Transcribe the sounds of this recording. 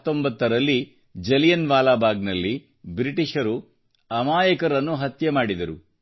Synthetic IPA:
t̪ːo̞mbɐt̪ːɐɾɐlːi | d͡ʒɐlijɐnʋaːlaːbʱaːɡnɐlːi | bɾiʈiʂɐɾu | ɐmaːjɐkɐɾɐnːuɦɐt̪jɐmaːɽid̪ɐɾu

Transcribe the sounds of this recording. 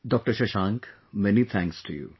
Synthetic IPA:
ɖɔk̚ʈəɾʃɐʃãːŋk | mɛnit̪ʰæ̃ŋksʈʰujṵ

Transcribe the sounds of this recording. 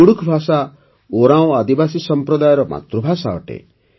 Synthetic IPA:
uɽukʰbʱasa | oɾãw̃ad̪ibasisɔmpɾɔd̪ajɔɾɔma̰t̪ɾubʱasaɔʈḛ

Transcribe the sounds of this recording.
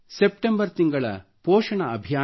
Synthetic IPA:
sepʈembɐɾt̪iŋɡɐɭɐ̰pɔːʃɐɳɐːbʱjaː

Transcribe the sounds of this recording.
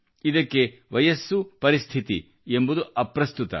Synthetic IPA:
id̪ɐkːe̞ʋɐjɐsːupɐɾist̪ʰit̪ḭ | embud̪uʔɐpɾɐst̪ut̪ɐ̰

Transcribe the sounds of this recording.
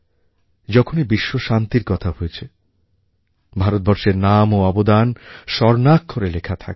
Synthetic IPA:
d͡ʑɔkʰonibiʃːoʃant̪iɾkɔt̪ʰaɦojet͡ɕʰe | bʱaɾot̪̚bɔɾʃeɾnamoɔbod̪anʃɔɾnakːoɾelekʰat̪ʰa̰ke

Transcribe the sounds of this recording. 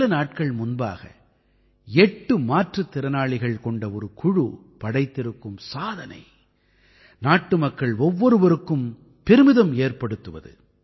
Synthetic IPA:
ɐnaːʈ̚kɐɭmʊnba̰ːɣɐ̰ | ɛʈːɯmaːʈrɐt̪ːɪɾɐnaːɭɪɣɐɭkɔɳɖɐɔɾɯkʊɻu | pɐɽɐɪt̪ːɪɾɯkːɯmsaːðɐnɐ̰ɪ | naːʈːɯmɐkːɐɭɔʋːɔɾɯʋɐɾɯkːɯm | pɛɾɯmɪðɐmeːrpɐɽɯt̪ːɯʋɐ̰ðɯ̰

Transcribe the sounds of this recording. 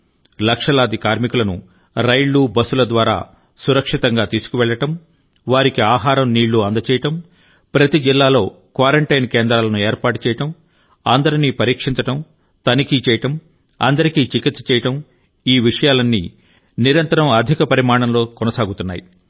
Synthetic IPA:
lɐkʂɐlaːd̪ikaːɾmikulɐnṵ | ɾɐjɭːuːbɐsulɐd̪ʋaːɾa̰ː | suɾɐkʂit̪ɐŋɡaːt̪iːsu̥kuʋɛɭːɐʈɐm | ʋaːɾikiaːɦaːɾɐmniːɭːuɐnd̪ɐt͡ʃɛːjɐʈɐm | pɾɐt̪id͡ʒilːaːlo̞ː | kʋaːɾɐɳʈɐjnkeːnd̪ɾaːlɐnueːɾpaːʈu̥t͡ʃɛːjɐʈɐm | ɐnd̪ɐɾiniːpɐɾiːkʂiɲt͡ʃɐʈɐm | t̪ɐnikiːt͡ʃɛːjɐʈɐm | ɐ̰nd̪ɐɾikiːt͡ʃikit̪sɐ̥t͡ʃɛːjɐʈɐm | iːʋiʂɐjaːlɐnːḭː | niɾɐnt̪ɐɾɐmɐd̪ʱikɐpɐɾimaːɳɐmlo̞ːkɔnɐsaːɡut̪unːa̰ːji

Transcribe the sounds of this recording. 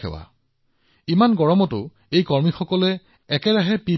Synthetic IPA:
ɛ̰wa̰ | imanɡɔɹɔmɔtʊ | ejkɔɹmixɔkɔlɛː | kɛɹaɦɛpi

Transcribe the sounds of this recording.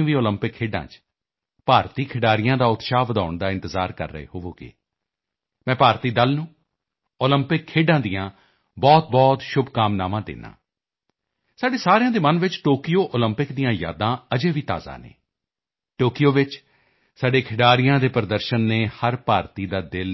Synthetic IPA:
ʋiːoːləmpɪkʰːeːɖã̰ːt͡ʃ | paːɾt̪iːkʰɪɖaːɾɪjãːd̪aːʊt̪ʃaːʋəd̪a̰ːʊɳd̪aːɪ̃nt̪əzaːɾkə̰ɾːə̰ḛːɦoʋoːɡḛː | mɛ̃ːpaːɾt̪iːd̪əlnũː | oːləmpɪkʰːeːɖãːd̪ɪjãː | bɔːt̪̚bɔːt̪ʃʊbʱkaːmnaːmãːd̪ḛːnã̰ː | saːɖeːsaːɾejãːd̪eːmənʋɪt͡ʃʈoːkɪjoːʔoːləmpɪkd̪ijãːja̰ːd̪ãːəd͡ʒeːʋiːt̪a̰ːza̰ːnḛː | ʈoːkɪjoːʋɪt͡ʃ | saːɖeːkʰɪɖaːɾɪjãːd̪eːpɾəd̪əɾʃənːeːhəɾpaːɾt̪iːd̪aːd̪ɪl

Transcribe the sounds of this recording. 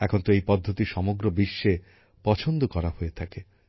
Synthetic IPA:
ɛkʰont̪oejpɔd̪ʱːot̪iʃɔmoɡɾobiʃːe | pɔt͡ɕʰond̪okɔɾahoet̪ʰake

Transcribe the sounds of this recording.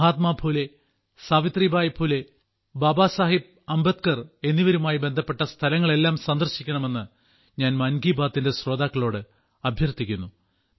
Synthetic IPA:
ɦaːt̪maːbʱuːle̞ | saːʋit̪riːbʱaːjɐbʱuːle | baːbaːsaːɦib̚ | ɐmbɐt̪̚kɐre̞nːiʋɐɾumaːjibe̞nd̪ʱɐpːe̞ʈːɐst̪ʰɐlɐŋːɐɭe̞lːaːmsɐnd̪ɐrɕikʲːɐɳɐme̞nːɨ | ɲaːnmɐnɡiːbaːt̪ːinde̞sro̞ːd̪aːkːɐɭo̞ːɽɨ | ɐbʱjɐrt̪ikʲːunːu

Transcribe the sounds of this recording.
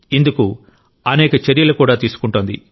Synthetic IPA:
ind̪uku | ɐnɛːkɐt͡ʃɐɾjɐlukuːɽaːt̪iːsu̥kuɳʈoːnd̪ḭ

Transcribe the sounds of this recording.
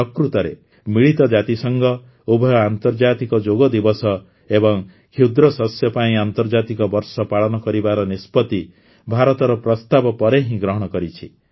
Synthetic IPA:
ɔkɾut̪ɔɾḛ | miɭit̪ɔd͡ʒat̪isɔŋɡɔ | ubʱɔjɔant̪ɔɾd͡ʒat̪ikɔd͡ʒoɡɔd̪ibɔsɔ | ebɔŋ | kʰid̪ɾɔsɔsjɔpaĩant̪ɔɾd͡ʒat̪ikɔbɔɾsɔpaɭɔnɔkɔɾibaɾɔnispɔt̪i | bʱaɾɔt̪ɔɾɔpɾɔst̪abɔpɔɾeɦĩɡɾɔɦɔɽ̃ɔkɔɾit͡ʃʰi

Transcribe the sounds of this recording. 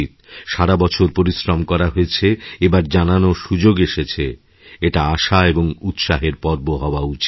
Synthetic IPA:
it̪ʃaɾabɔt͡ɕʰoɾpoɾisɾomkɔɾaɦoet͡ɕʰeebaɾd͡ʑananoʃud͡ʑoɡeʃet͡ɕʰe | eʈaaʃaeboŋut̪ʃaɦeɾpɔɾ̚boɦaoaut͡ɕi̥

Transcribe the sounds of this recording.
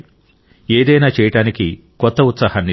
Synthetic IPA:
eːd̪ɐjnaːt͡ʃɛːjɐʈaːniki | kɔt̪ːɐut̪sɐhanːi

